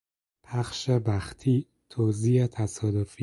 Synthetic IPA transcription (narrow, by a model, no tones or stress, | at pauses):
pʰæxʃebæxt̪ʰiː | t̪ʰoziːet̪ʰæsɒːd̪ofi